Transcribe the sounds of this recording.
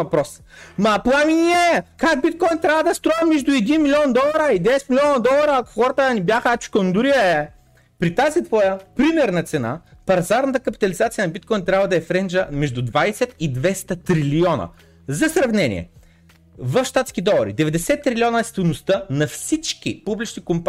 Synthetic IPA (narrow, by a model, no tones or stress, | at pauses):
vɐpɾɔs | mɐplˠaminiɛkak̚bit̪̚kɔjnt̪ɾʲabvəd̪ɐst̪ɾɔɛmmːɛʒd̪ʊɛd̪inmilʲiɔnd̪ɔlˠɐɾəid̪ɛsɛt̪milʲɔnɐd̪ɔlˠɐɾɐːko̥xɔɾɐt̪ənibjaxəat͡ʃi̥kond̪ʊɾiəɛ | pɾit̪azit̪vɔjəpɾimɛɾnɐt̪sɛna̰pɐɾzaɾnɐt̪̬ɐkɐpi̥t̪ɐlʲizat̪sijənɐbit̪kɔjnt̪ɾʲabvɐd̪ɐɛfɾɛnd͡ʒəmɛʒd̪ʊd̪vajsɛt̪id̪vɛst̪ɐt̪ɾiliɔnɐ̰ | zɐsɾɐvnɛnḭɛ̰ | vɐfʃt̪at̪skid̪ɔlˠɐɾḭd̪ɛvɛd̪ɛsɛt̪ːɾilʲiɔnɐst̪ilˠnost̪ənɐfsit͡ʃk̟ḭpublʲit͡ʃnikomp